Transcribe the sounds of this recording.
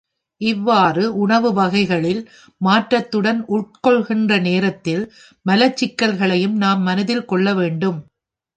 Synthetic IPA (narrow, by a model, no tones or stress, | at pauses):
ʔɪʋːaːrɯʔʊɳɐʋɯʋɐɣɐɪɣɐɭɪl | maːʈɾɐt̪ːɯɽɐnʔʊʈ̚kɔɭɣɪndrɐneːɾɐt̪ːɪl | mɐlɐt͡ʃːɪkːɐlɣɐɭɐjɯmnaːmːɐnɐðɪlkɔɭːɐʋeːɳɖɯm